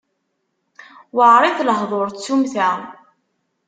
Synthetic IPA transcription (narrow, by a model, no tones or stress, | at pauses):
wəʁɾˤiθləɦðˤoɾˤt͡sːumθæ